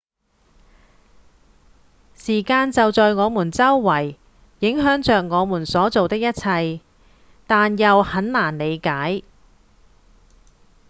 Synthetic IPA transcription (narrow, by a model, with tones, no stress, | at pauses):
siː˨˩kaː˧nt͡sɐ˨wt͡sɔː˨jŋɔː˨˧muː˨˩nt͡sɐ˥wːɐ˨˩jː | ɪ˨˥ŋɦœː˨˥ŋt͡ʃœː˨k̚ŋɔː˨˧muː˨˩nsɔː˨˥t͡so˨wt̪ɪ˥k̚jɐ˥t̚t͡sʰɐ˧j | t̪aː˨njɐ˨whɐ˨˥nlaː˨˩nle˨˧jkaː˨˥j